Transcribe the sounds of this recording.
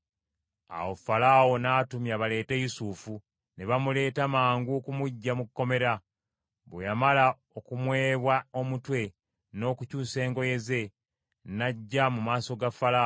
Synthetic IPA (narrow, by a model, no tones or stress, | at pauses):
a̰wofalaːwo̞natumjaβale̞ːtejusufu | neβamule̞ːtamaːŋɡukumuɟːamukːo̞me̞ɾa | βḛjamala | o̞kumwe̞ːβwao̞mutwe̞ | no̞ːkucuːse̞ːŋɡo̞je̞ze̞ | naɟːamumaːso̞ɡafala